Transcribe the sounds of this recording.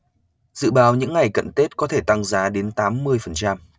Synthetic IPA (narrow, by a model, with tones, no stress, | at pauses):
zɨ̰˧˨ɓaː˨˦wɲɨ̰˧˥ŋːa˨˩jkə̰˧˨nt̪e˦˥t̚kɔ˨˦t̪ʰe˧˩t̪a˧ŋzaː˨˦ɗe˨˦nt̪aː˨˦mːɨ˧əjfə˨˩nt͡ɕa˧m